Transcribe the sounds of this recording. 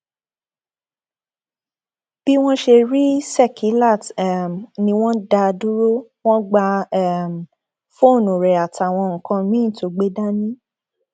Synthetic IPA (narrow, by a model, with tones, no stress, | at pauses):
b̥i˦w̃ɔ̃˦ʃe˧ɾi˦sɛ˦˨kʰi˨˦la˦˨tm˨nĩ˧w̃ɔ̃˦da˧du˦ɾo˦w̃ɔ̃˦ɡ͡ba˧ɛ˨m̩˨ | fo˦˨nũ˨ɾɛ˨a˨ta˨w̃ɔ̃˧ŋ̩˨kã˧mĩ˦˨to˨˦ɡ͡be˦da˦nĩ˦